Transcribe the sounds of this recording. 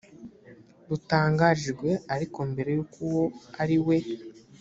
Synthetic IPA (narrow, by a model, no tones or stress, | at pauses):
ɾutaːŋɡaʒiɾɡwe̞aɾiko̞mbe̞ɾe̞jukuwo̞aɾiwe̞